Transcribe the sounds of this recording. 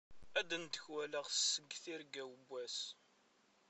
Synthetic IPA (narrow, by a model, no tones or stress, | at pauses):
æd̪ənt̪əçwæləʁsːəɡːθiɾɡæwəbːæs